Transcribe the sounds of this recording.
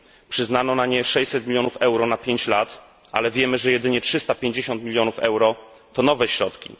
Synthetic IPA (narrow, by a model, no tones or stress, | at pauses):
pʂɘznanɔnaɲɛʂɛɕʲsɛt̪̚mʲilʲjɔnufɛwɾɔnapʲjeɲt͡ɕlat̪ | ʔa̰lɛvʲjɛmɘʐɛjɛd̪ɘɲɛtʂɘst̪apʲjeɲd͡ʑeɕɔnt̪mʲilʲjɔnufɛ̰wɾɔ | t̪ɔnɔvɛɕɾɔt̪kʲḭ